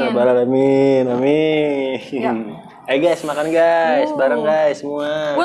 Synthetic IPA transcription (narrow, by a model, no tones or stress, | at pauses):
abalalaminami | aɡajsmakanɡajsbaɾaŋɡajsəmua